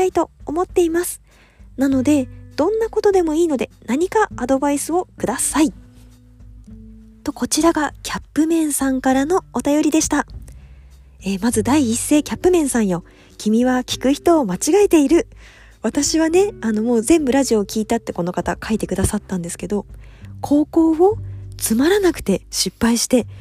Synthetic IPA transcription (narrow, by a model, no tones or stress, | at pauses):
ait̪o̞ːmo̞t̪ːe̞imasɨ̥ | nano̞d̪e̞d̪̥õ̞nːako̞t̪o̞d̪e̞mo̞iːno̞d̪e̞naɲ̟ikaːd̪o̞baisɨo̞kɯ̟d̪asai | t̪o̞ko̞t͡ɕiɾaɡakʲʰapːɯ̟mẽ̞ɰ̃sãŋkaɾano̞ːt̪ajo̞ɾʲid̪e̞ɕi̥t̪a | eːmazɨd̪aiːsːe̞ːkʲapːɯ̟mẽ̞ɰ̃sãɰ̃jo̞ | kʲʰimʲiβakʲi̥kɯ̟çi̥t̪o̞ːmat͡ɕiɡaet̪e̞iɾɯ̟ | βat̪aɕiβane̞ano̞mo̞ːzẽ̞mbɯ̟ɾaʑio̞kʲiːt̪at̪ːe̞ko̞no̞kat̪akʰait̪e̞kɯ̟d̪asat̪ːãnd̪esɨ̥ke̞d̪o̞ | kʰo̞ːko̞ːβo̞t͡sɨmaɾanakɯ̟̥t̪e̞ɕipːaiɕi̥t̪e̞